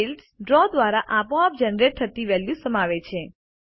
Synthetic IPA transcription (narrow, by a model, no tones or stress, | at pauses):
ilsɖɾɔd̪ʋaɾaʔapõap̚d͡ʒənɾeʈ̚t̪ʰət̪iʋɛljusəmaʋet͡ʃʰe